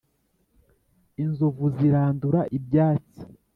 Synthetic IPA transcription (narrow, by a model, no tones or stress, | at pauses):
inzovuziɾaːnduɾaʔibjaːt͡si̥